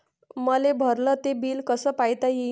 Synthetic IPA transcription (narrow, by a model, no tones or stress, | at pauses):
məlebʱəɾlət̪ebiːlkəsəːpajt̪aɦi